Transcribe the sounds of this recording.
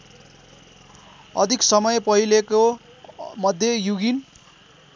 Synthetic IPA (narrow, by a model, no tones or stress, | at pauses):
ʌ̰d̪ʱiksʌmʌjpʌɦileko | mʌd̪ʱjejuɡin